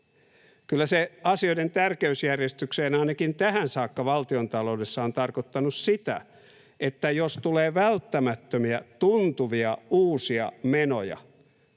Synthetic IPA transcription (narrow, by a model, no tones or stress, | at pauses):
kylːæseɑsioident̪ærkeysjærjest̪ykseːnɑinɑkint̪æhænsɑːkːɑʋɑlt̪iont̪ɑlo̞udesːɑont̪ɑrkot̪ːɑnussit̪æ̰ | ʔet̪ːæjost̪uleːʋælt̪ːæmæt̪ːømiæt̪unt̪uʋiɑuːsiɑ̰meno̰jɑ̰